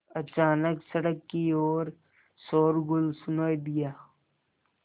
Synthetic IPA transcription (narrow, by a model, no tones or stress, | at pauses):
ɐt͡ʃaːnəksɐɽəkːioːɾ | soːɾɡʊlsʊnaːid̪ijaː